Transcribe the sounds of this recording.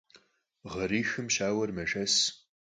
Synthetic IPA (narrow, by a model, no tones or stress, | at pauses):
ʁɐɾiːxɨmʃaːwɐrmɐʒɐs